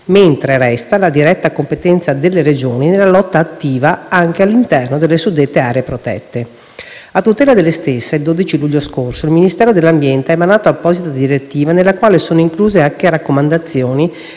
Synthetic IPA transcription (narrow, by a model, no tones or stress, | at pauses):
ment̪ɾeɾɛst̪alad̪iɾɛt̪ːakompet̪ɛnt̪sad̪elːeɾed͡ʒoːninelːalɔt̪ːaːt̪ːiːvaaŋk̟ealːint̪ɛrnod̪elːesud̪ːet̪ːeaːɾeepɾot̪ɛ̰t̪ːe | at̪ːut̪ɛːlad̪elːest̪esːeild̪oːd̪it͡ʃiluʎːoskorsoilminist̪ɛːɾod̪elːambjɛnt̪eɛmːanaːt̪oapːɔːzit̪ad̪iɾet̪ːiːvanelːakwaːlesoːnoiŋkluːzeakerakːomand̪at̪sːjoːni